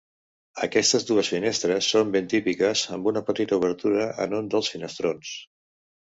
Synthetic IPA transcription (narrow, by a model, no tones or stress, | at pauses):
əkɛst̪əzðuəsfinest̪ɾəsːombent̪ipikəzəmbunəpət̪it̪əuβ̞əɾt̪uɾəʔə̰nund̪əlˠsfinəst̪ɾons